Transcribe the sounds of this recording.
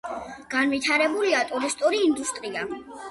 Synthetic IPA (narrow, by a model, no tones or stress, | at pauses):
ɡ̥anvit̪ʰaɾɛbuliat̪ʼuɾist̪ʼuɾiːnd̪ust̪ʼɾia